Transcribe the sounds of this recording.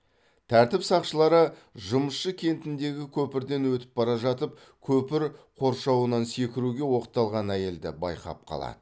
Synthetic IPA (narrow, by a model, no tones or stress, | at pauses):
t̪ʰæɾt̪ɪpsɑqʃəlˠɑɾəʒʊməsʃəkʲʰe̞nt̪ɪnd̪e̞ɡʲɪkʲʰɵpɪɾd̪e̞nwɵt̪ɪ̥p̚bɑɾɑʒɑt̪əp̚ | kʲʰɵpɪɾqʰo̞ɾʃɑwənɑnse̞kʲɪɾuɡʲe̞wo̞qət̪ːɑlˠʁɑnæje̞ld̪ɪ̰bɑ̰jqʰɑ̰p̚qʰɑ̰lˠɑ̰d̪̥ə